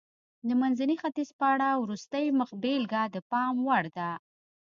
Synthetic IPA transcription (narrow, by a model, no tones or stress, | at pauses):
d̪əmanzanixat̪izpəaɽawɾust̪əjməxbelɡad̪əpɑmwaɽd̪a